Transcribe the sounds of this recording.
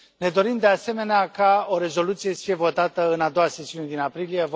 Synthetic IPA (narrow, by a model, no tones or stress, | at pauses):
ne̞d̪o̞ɾimd̪e̞ase̞me̞neakao̞ɾe̞zo̞lut̪sijesə̥fije̞vo̞t̪at̪əɨnad̪owase̞siune̞d̪inapɾilije̞